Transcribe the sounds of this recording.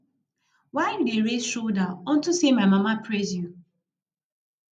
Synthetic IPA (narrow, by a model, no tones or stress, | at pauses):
waɪdideɾezʃoldaɔn̩tusemaɪmamapɹezju